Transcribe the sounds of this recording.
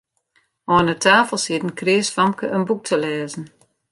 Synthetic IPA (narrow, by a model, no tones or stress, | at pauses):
ɔːnətʰaːfəlˠsɪtn̩krɪːsfamkəʔənbuk̚tʰəlɛːzn̩